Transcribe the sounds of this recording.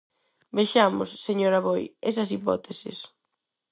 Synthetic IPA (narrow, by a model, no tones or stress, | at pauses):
beʃamʊ̰sːeɲoɾaβojesɐsipɔ̰t̪esɪ̰s